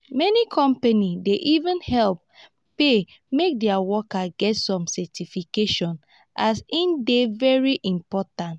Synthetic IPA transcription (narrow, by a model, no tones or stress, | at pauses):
mɛnikʰɔ̃mpanideʔivə̃nhɛlp | pe | mek̚dɛawɔkaɡɛtsɔ̃msɛtʰifikeʃɔ̃n | ʔasĩndevɛɹiʔĩmpɔtãnt